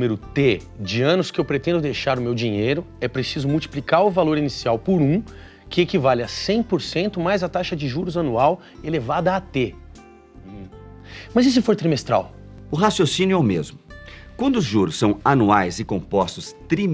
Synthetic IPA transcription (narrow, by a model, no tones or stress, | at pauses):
meɾʊt̪e | d͡ʒɪɐ̃nʊskɪewpɾet̪ẽnd̪ʊd̪ejʃaɾʊmewd͡ʒiɲejɾʊ | ɛpɾesizʊmuwt͡ʃi̥plikaɾʊvaloɾinisiawpoɾũ | kɪekivalɪɐsẽj̃poɾsẽnt̪ʊmajzɐt̪aʃɐd͡ʒɪʒuɾʊzɐnuaw | elevad̪ɐat̪ẽ | mɐzis̬ɪfoɾt̪ɾimest̪ɾa̰w | ʊɦasjosĩnjʊɛʊmḛzmʊkwɐ̃nd̪ʊzʒuɾʊsːɐ̃w̃anuajzɪkõpɔst̪ʊst̪ɾi